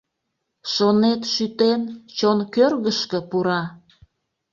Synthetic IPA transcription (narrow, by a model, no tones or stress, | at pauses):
ʃonet̪ʃyt̪ent͡ɕonkørɣəʃkəpuɾɑ